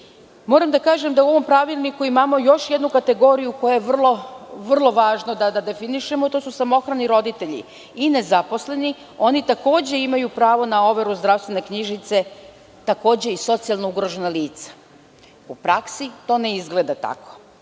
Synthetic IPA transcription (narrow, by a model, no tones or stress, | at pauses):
mo̞ɾamd̪akaːʒe̞md̪auʋo̞mpɾaʋilˠnikuimaːmo̞jo̞ʃje̞d̪nukat̪e̞ɡo̞ːɾijuko̞jajeʋr̩lˠo̞ʋr̩lˠo̞ʋaːʒnod̪ad̪ad̪e̞finiʃe̞mo̞t̪osusamo̞xɾaniɾo̞d̪it̪e̞ʎḭ | ine̞zapo̞sle̞ni | o̞nit̪ako̞ːd͡ʑe̞imajupɾaːʋo̞nao̞ʋe̞ɾuzd̪ɾaʋst̪ʋe̞ne̞kɲiʒit̪se̞ | t̪ako̞ːd͡ʑe̞iso̞t̪sialˠnouɡɾo̞ʒenaliːt̪sḁ | upɾaksit̪o̞ːneizɡle̞d̪at̪a̰ko̞̥